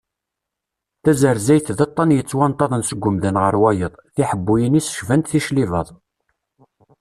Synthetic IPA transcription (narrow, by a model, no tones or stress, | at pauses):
θæzəɾzæjθðət̪ˤːɑnjət͡sːwɑnt̪ˤːɑðˤənsəɡʷːʊmðənʁəɾwæjəðˤθiħəbːujənisə̥ʃvænt̪θiʃliðɑðˤ